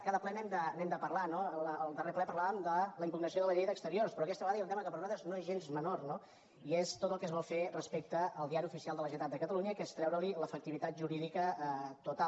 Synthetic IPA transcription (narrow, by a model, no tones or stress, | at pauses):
kaðəplɛnɛmd̪ənɛmd̪əpərlanoələəlˠd̪əreplɛpəɾlaβəmd̪ələimpuɡnəsioðələʎejðəkst̪əɾiorspɾɔɐkɛst̪əβəɣaðəiəlt̪ɛməkəpəɾunat̪ɾəznoezʒenzmənorno | iest̪ot̪əlˠkəzβɔlˠferəspek̚t̪əəlˠd̪iaɾiufisialˠd̪ələʒɛt̪at̪̚d̪əkət̪əluɲəkɛst̪ɾɛwɾəliləfək̚t̪iβit̪at̪̚ʒuɾiðikət̪ut̪a